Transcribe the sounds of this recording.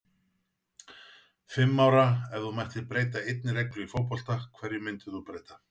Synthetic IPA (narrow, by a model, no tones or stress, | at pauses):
fɪmːaːwɾaɛvðumajr̥t̪ɪpɾeːjt̪aejt̪̚nɪɾɛklʏifowpɔl̥t̪axkʰːvɛɾjɪmʏnt̪ɪθupɾeːjt̪ḁ